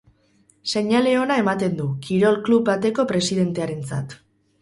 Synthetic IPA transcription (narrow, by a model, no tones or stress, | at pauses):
se̞ɲale̞o̞nae̞mat̪e̞nd̪ukiɾo̞lkluβbat̪e̞ko̞pɾe̞siðe̞nt̪e̞aɾe̞nt͡sa̰t̪